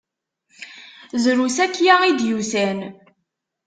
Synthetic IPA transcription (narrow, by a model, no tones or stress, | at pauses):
zɾusækːjaʁid̪jusæn